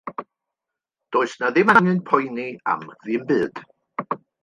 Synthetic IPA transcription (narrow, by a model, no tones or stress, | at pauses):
d̥oːɨsnaðɪmaŋɨnpʰɔjnia̰mðɨːmbɨːd̥